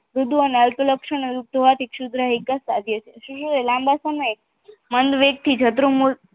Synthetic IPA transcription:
ɾud̪ʱuəneəlpələkʃəɳeuk̚t̪oʋat̪ikʃud̪ʱɾəɦikːasad̪ʱjət͡ʃʰeʃũʃũelãmbasəməj | mənd̪ʋeɡ̚t̪ʰid͡ʒʰət̪ɾumu

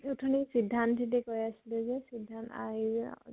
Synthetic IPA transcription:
utʰɔnisidʱːantʰitɛkojasilɛzɛsidʱːanta̰i

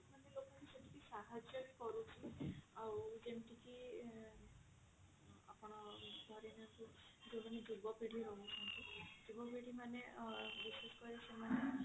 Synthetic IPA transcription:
manelokɔkiseʈʰi̥kisaɦad͡ʒjɔɾikɔɾut͡ʃʰiawd͡ʒemʈiki | a̰pɔɽ̃ɔd̪ʱɔɾinaku | d͡ʒebɔnidubɔpeɽiɾonut͡ʃʰɔnt̪idubɔpeɽimanebiseskɔɾesemane

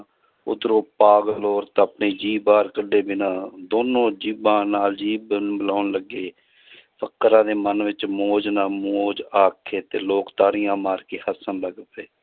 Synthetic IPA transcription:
ʊ̰d̪ɾoːpaːɡloːɾt̪əpɳeːd͡ʒiːbaːɾkəɖːeːbɪnãːd̪oːnõːd͡ʒiːbãːnaːld͡ʒiːbbəlaːnləɡːeː | pʰəkːɾãːd̪eːmənʋɪt͡ʃmoːd͡ʒnaːmoːd͡ʒaːkʰeːt̪eːloːkt̪aːɽɪjãːmaːɾkeːhəsənləɡpeː

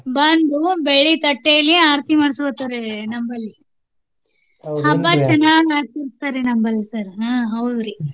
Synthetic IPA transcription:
bɐnd̪ubeɭit̪ɐʈːejɐlːiaːɾt̪imɐːɽsʋɐt̪ːaːɾenɐmbɐlːi | hɐbːat͡ʃɐnːaːɳaːɾt͡ʃɐɾist̪aːɾenɐmbɐlːisɐɾɦãɦɐwd̪ɾi

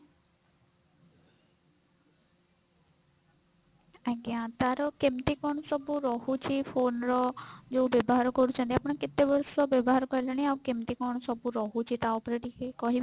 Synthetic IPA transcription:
ãɡjãt̪aɾɔkemt̪ikɔɳ̃ɔsɔbuɾɔɦut͡ʃʰipʰonɾɔd͡ʒobjɔbɔɦaɾɔkɔɾut͡ʃʰant̪iapɽ̃eket̪ebɔɾsɔbɔbɔɦaɾɔkɔɦilañiaukemt̪ikɔɳ̃ɔsɔbuɾɔɦut͡ʃʰit̪aɔpɾeʈikekɔɦib

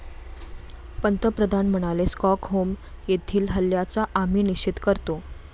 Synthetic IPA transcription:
pənt̪əpɾəd̪ʱanm̤əɽ̃aleskɔkɦomjet̪ʰiːlɦəljat͡saʔam̤iːnit͡ɕit̪kəɾt̪o

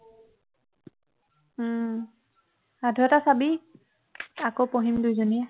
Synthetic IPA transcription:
adʱɛtasabi | akowpoɦimdujzoniɛ

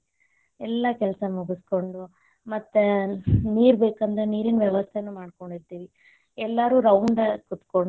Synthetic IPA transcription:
ɛlːɐkɛlɐsɐmuɡusko̞ɳɖu | mɐt̪ːeniːɾbeːkɐnd̪ɾeniːɾinʋjɛʋɐst̪ʰenːuːmaːɽko̞ɳɖiɾt̪iːʋi | ɛlːɐɾuːɾɐwɳɖɐkut̪koɳ

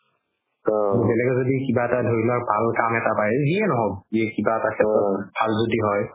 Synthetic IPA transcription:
bɛlɛkɛzodikibaɛtadʱoɹilaɹbʱalkamɛtapajɛziɛnɔɦɔb̚iɛkibaɛtakʰɛtɔbʱalzodiɦɔj

